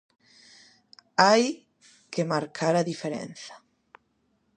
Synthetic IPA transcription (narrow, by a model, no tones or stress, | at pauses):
aj | kemaɾkʰaɾaðifeɾḛnθḁ